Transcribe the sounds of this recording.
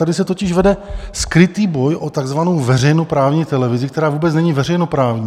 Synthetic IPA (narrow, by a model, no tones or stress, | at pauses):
t̪adɪsɛt̪o̞cɪʃvɛdɛskɾɪt̪iːbo̞jʔo̞t̪aɡzvano̞wvɛrɛjno̞pɾaːvɲiːt̪ɛlɛvɪzɪkt̪ɛɾaːvuːbɛt͡snɛɲivɛrɛjno̞pɾaːvɲiː